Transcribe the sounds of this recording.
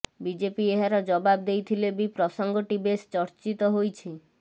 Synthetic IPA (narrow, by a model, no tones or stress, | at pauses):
bid͡ʒepieɦaɾɔd͡ʒɔbab̚d̪ejt̪ʰilebipɾɔsɔŋɡɔʈibest͡ʃɔɾt͡ʃit̪ɔɦojt͡ʃʰi